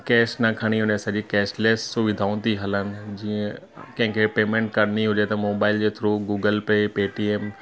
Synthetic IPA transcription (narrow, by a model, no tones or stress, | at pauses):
kɛːʃnɐkʰɐɽ̃iʊnẽsɐd͡ʑikɛːʃleːssʊʋɪd̪ʱaːũt̪ʰiɦɐlənɪ̆d͡ʑiə̃ | kɐ̃ɦɪ̃kʰepeːmẽːɳʈ̚kɐɾniɦʊd͡ʑet̪ɐmoːbaːɪld͡ʑeːt̪ʰɾuɡuːɡəlpepeːʈieːm